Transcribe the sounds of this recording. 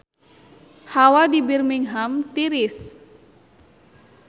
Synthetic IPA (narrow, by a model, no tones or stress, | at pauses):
hawadibirmiŋɦamt̪iɾis